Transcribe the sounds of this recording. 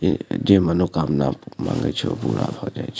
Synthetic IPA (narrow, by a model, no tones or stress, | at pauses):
ed͡ʒemanokamnamã̰ŋɡət͡ʃʰeopuɾa̰od͡ʒajt͡ʃʰe